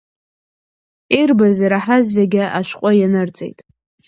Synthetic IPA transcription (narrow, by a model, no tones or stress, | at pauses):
irbaziɾaħazːeɡʲɪʔaʃʷqʷʼajanɨrt͡sʼḛjtʼ